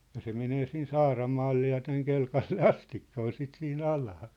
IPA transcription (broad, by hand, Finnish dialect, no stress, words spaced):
jɑ se meneː siːn sɑːrɑmɑːlːe jɑ tæŋ kelkɑlːe ɑstikːɑ ol sit siːn ɑlɑː